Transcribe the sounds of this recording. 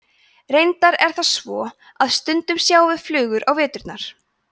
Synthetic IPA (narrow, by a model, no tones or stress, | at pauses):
rejnt̪aɾɛɾ̥θasvɔː | aðst̪ʏnt̪ʏmsjaːwvɪðflʏːɣʏɾʔawvɛːt̪ʏɾt̪naɾ̥